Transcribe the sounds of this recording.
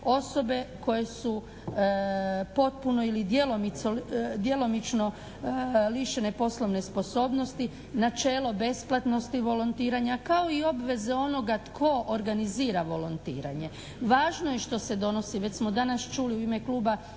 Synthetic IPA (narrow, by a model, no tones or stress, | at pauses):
o̞so̞be̞ko̞je̞su | po̞t̪̚puno̞ilid̪jelo̞misod̪je̞lo̞mit͡ʃno̞ | liʃene̞po̞slˠoʋne̞spo̞so̞ːbno̞st̪i | nat͡ʃe̞ːlo̞be̞splˠat̪no̞st̪iʋo̞lont̪iːɾaɲakao̞io̞bʋe̞zeo̞no̞ɡat̪kʰo̞ʔoɾɡaniziːɾaʋo̞lont̪ḭːɾa̰ɲe̞ | ʋaːʒnojeʃt̪o̞se̞d̪o̞no̞siʋet͡ɕsmo̞d̪anast͡ʃuːliuime̞kluːba